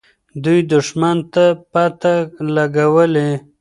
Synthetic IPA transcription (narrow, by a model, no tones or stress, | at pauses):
d̪ujd̪ʊʂmant̪apat̪alaɡawəle